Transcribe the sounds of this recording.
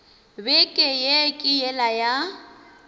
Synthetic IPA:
bɛkʼɛjekʼɪjɛlaja

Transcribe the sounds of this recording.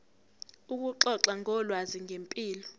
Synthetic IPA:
uk̬ʼuǁɔǁaŋʱɔlwaziŋempʼiːlɔ

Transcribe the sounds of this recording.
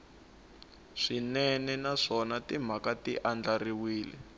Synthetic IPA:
ʂinɛnɛnaʂɔnatim̤akatḭʔand͡ɮariwiːlɛ̰

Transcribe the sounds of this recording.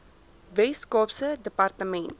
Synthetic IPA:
vɛskɔpsədəpartəmɛnt

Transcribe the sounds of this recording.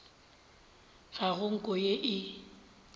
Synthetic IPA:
ɣaɣʊŋ̩kʼɔjeʔɪ

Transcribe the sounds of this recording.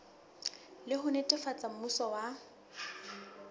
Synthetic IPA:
lɪɦʊnetʼɪfat͡sʼam̩usɔwa

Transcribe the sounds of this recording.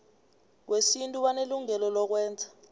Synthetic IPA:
k̬wesintʼuɓaneluŋɛlɔlɔk̬wɛːnd͡zʱḁ

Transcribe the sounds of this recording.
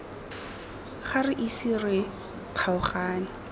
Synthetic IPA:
χarɪʔisirɪ | q͡χʰaʊχaːnɪ

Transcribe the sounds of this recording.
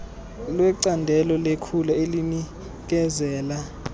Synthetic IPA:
lwɛǀandʱɛlɔlekʰulaelini | k̬ɛzɛːla

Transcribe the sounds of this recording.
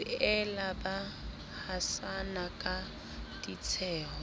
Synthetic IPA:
ɛlaba | hasanakʼa | tit͡sʰɛːhɔ

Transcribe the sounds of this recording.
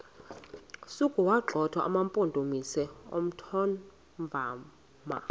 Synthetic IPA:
sukʼuwaɡ͡ǃʱɔtʰwaʔamampʼondʱomisɛo̰m̩tʰɔn | vʱaː | ma̰

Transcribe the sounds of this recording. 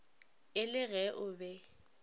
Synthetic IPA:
ɪlɪɣɛʔʊbɛ

